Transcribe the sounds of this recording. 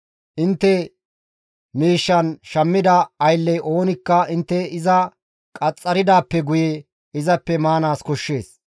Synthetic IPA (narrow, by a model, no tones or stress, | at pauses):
ʔɪnt̪ːɛ | miːʃːɐnʃɐmːɪd̪ɐːjlːɛjʔo̞ːnɪkːɐɪnt̪ːɛɪzɐ | kʼɐt͡sʼːɐɾɪd̪aːpːɛɡʊjɛ | ɪzɐpːɛmaːnaːskɔʃːe̞̰ːs